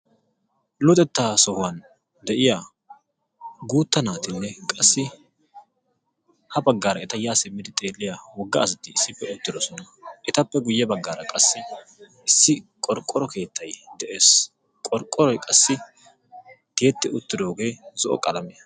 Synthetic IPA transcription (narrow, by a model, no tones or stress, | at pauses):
lʊt̪ʼɛt̪ːaːsɔhʊwɐn | d̪ɛʔɪja | ɡuːt̪ːɐnaːt̪ɪnːɛkʼɐsːɪ | hɐbɐɡːaːɾɐɛt̪ɐjaːsɪmːɪd̪ɪt̪ʼe̞ːlːɪjawɔɡːɐːsɐt̪ːɪːsːɪpːɛʊt̪ːɪd̪ɔsɔnɐɛt̪ɐpːɛɡʊjːɛbɐɡːaːɾɐkʼɐsːɪ | ɪsːɪkʼɔɾkʼːɔɾɔke̞ːt̪ːɐjd̪ɛʔe̞ːs | kʼɔɾkʼːɔɾɔjkʼɐsːɪ | t̪ɪjɛt̪ːɪʊt̪ːɪd̪o̞ːɡe̞ːzɔʔɔ̰kʼɐlɐmɪjɐ